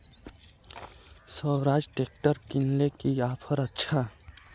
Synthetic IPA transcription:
səwɾaːd͡ʒʈeːk̚ʈəɾkinlekiaːpʰəɾətːʃʰa

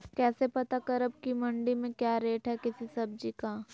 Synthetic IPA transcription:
kɛːsepɐt̪akɐɾəb̚kimɐ̃ɳɖimẽkjaːɾeːʈɦɛkɪsisɐb̚d͡ʒiːkaː

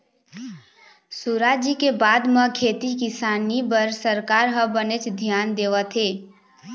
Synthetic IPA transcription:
suɾaːd͡ʒikebaːd̪mə̃kʰeːt̪ikɪsaːnibəɾsəɾkaːɾɦəbənet͡ʃd̪ʱjaːnd̪eːʋət̪ʰɦeː

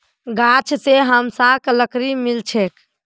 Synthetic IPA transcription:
ɡat͡ʃʰseɦəmsakləkɾimilt͡ʃʰek

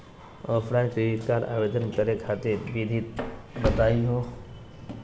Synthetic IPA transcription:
əfɽakiit̪kaɾʔa̰ʋed̪ənkəɾekʰat̪iɾʋid̪ʱit̪̚bət̪ajɦo

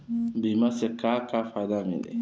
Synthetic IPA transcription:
bimasekakafadamḭ̃nḛ

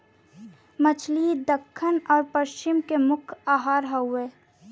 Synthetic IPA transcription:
mət͡ʃʰlid̪əkʰːənɔːɾpəʃt͡ʃɪmkemʊkʰaːɦaːɾɦəweː

